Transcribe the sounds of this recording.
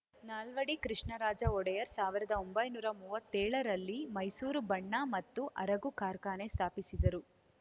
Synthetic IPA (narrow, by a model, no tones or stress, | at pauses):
naːlʋɐɽikɾiʂɳɐɾaːd͡ʒɐɔɽɐjɐɾsaːʋiɾɐd̪ɐombɐjnuːɾɐmuːʋɐt̪ːɛːɭɐɾɐlːimɐjsuːɾubɐɳːamɐt̪ːuʔɐɾɐɡukaːɾkaːne̞st̪ʰaːpisid̪ɐɾu